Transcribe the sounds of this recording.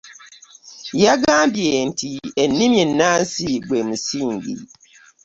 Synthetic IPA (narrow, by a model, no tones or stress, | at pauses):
jaɡãbjen̩tʰienːĩmẽnãn̩siɡemũsiŋɡḭ